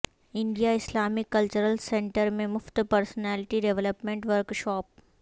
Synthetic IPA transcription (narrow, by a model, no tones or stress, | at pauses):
ɪ̃ɳɖijaɪslaːmikɐlt͡ʃəɾəlsẽɳʈəɾmẽmʊft̪pɐɾsnɛːlɪʈiɖeʋləpmẽɳʈʋəɾkʃɔːp̚